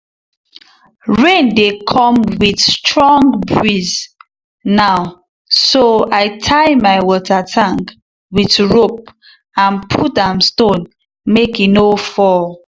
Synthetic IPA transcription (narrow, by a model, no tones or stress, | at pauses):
ɹẽndekʰɔ̃mwiθstɹɔ̃ŋɡbɹiz | naʊ | soaɪtʰaɪmaɪwɔtatʰãŋk | witɹop̚ | ãnpʰutãmstõn | mekinofɔl